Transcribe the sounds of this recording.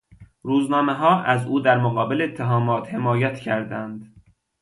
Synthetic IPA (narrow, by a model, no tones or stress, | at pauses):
ɾuːznɒːmeɦɒːʔæzuːd̪æɾmoɣɒːbeleet̪ʰːeɦɒːmɒːt̪he̞mɒːjæt̪ʰcʰæɾd̪ænd̪